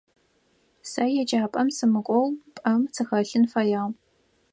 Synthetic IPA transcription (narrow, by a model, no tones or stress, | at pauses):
sɐjɛd͡ʒʼaːpʼɐmsɨmɨkʷʼɔwpʼɐmt͡sʰɨxɐɬɨnfɐjaː